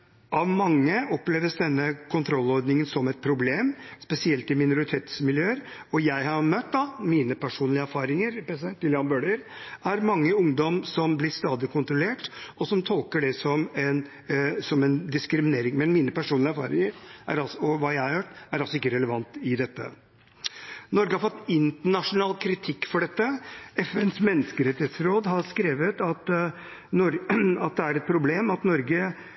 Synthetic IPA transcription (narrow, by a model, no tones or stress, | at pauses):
ɑʋmɑŋːəɔpleːʋəsd̪ɛnːəkʰʊnt̪ʰɾɔlːɔɾd̪nɪŋənsɔmɛt̪̚pʰɾʊbleːmspɛsɪɛlt̪ɪmɪnʊɾɪt̪ʰeːt̪smɪljøːəɾɔjæɪhɑɾmœt̪̚ːd̪ɑmiːnəpʰæʂuːnlɪəæɾfɑːɾɪŋəɾpɛsɛt̪ɪljɑːnbøːɖɪɾæɾmɑŋːəʊŋd̪ɔmsɔmblɪst̪ɑːd̪ɪkʰʊnt̪ɾʊleːʈɔsɔmt̪ʰɔlkəɖɛsɔmɛn | sɔmɛnd̪ɪskɾɪmɪneːɾɪŋmɛnmiːnəpʰæʂuːnlɪæɾfɑ̰ːɾɪŋəɾʔæ̰ɾɑlsɔʋɑːjæɪhɑɾhøːʈːæɾɑlsɔɪkːəɾɛləʋɑnt̪ɪd̪ɛt̪ːə̰ | nɔɾɡəhɑɾfɔt̪ːɪnt̪əɳɑʂʊnɑːlkʰɾɪt̪ʰɪkːfɔɖɛt̪ːəɛfɛnsmɛnːəskəɾɛt̪ɪheːt̪sɾoːd̪ɦɑɾskɾeːʋət̪ɑt̪ | ɔɾɑt̪̚d̪ɛæɾɛt̪̚pʰɾʊbleːmɑt̪nɔɾɡə